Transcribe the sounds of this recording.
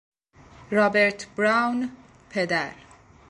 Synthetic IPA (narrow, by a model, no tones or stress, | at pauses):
ɾɒːbeɾt̪ʰbɾawn | pʰed̪æɾ